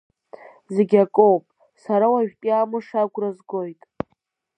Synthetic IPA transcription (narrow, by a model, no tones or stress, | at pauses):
zeɡʲakʼowpʼ | saɾawaɥᶣʲpʼiamɨʂaɡʷrazɡojtʼ